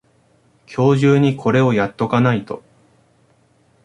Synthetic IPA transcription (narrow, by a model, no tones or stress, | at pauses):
kʲʰo̞ːʑɨːɲ̟ikʰo̞ɾe̞o̞jat̪ːo̞kanait̪o̞